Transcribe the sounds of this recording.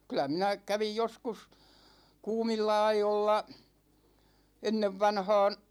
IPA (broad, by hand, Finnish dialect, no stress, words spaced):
kylæ minæ kæʋij joskus kuːmilːɑ ɑijolːɑ enːeʋːɑnhɑːn̞